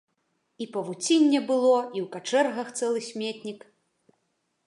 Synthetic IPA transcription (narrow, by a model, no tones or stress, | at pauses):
ipɐvut͡sʲinʲːɛbɨlˠɔiwkat͡ʂɛrɣɐxt̪sɛlˠɨsʲmʲet̪ʲnʲik